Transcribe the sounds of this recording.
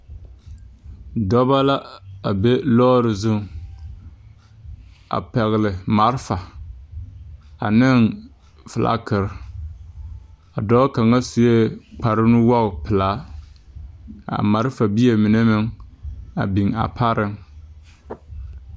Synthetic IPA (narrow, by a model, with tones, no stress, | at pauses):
dɔ˦ba˦la˦a˨be˦lɔː˦ɾɪ˨zʊ˦ŋ | a̰˨pɛ˨ɣɪ˨lɪ˨ma˨˦ɾfa˨ | a̰˨nɪ˦ŋ | fɪ˨lʔa̰˦kɪ˨ɾ | a˨dɔː˦ka˨ŋa˦sɪ˨e˦k͡pa˨ɾɪ˦n˦wɔ˦ɣpɪ˨la˨˦ | a̰˨ma˨ɾfa˨bi˦e˨mi˨ne˦mɪ˨ŋ | a̰˨bi˨ŋa̰˨pʰa˦ɾɪ˦ŋ